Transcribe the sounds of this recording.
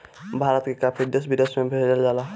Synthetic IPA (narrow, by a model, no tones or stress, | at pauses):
bʱaːɾət̪kekaːpʰid̪əsbʱid̪əsmẽbʱeːɖəld͡ʒaːla